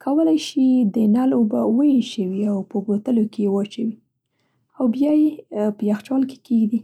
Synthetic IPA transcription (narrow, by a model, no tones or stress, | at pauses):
kʰawəlajʃid̪ənɑlobawəjeʃəwiawpəɡot̪əlokejewat͡ʃawi | awbjɑjepəjaxt͡ʃɑlke̥keɡd̪i